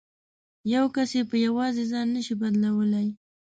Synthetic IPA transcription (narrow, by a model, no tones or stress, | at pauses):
jawkasepəjawɑzezɑnːəʃibad̪lawəlaj